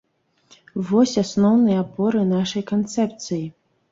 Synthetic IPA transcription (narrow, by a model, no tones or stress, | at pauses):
vɔsʲasnɔwnɨjɐabɔɾɨnaʂɐjkant̪sɛpt̪sɨji